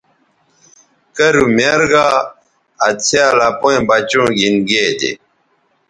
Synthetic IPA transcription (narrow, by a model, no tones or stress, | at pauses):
kɐɾumeɾɡa | ɐt͡sʰealapoẽbat͡ɕũːɡinɡed̪ḛ